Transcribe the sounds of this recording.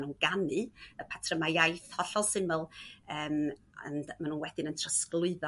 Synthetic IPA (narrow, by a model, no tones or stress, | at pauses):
nuːnɡ̥anɨəpʰatʰrəmajajθhɔɬɔlˠsɪməlˠəːm̰ | nmanuːnwɛd̥ɪnəntʰrəsklˠʊɨðɔ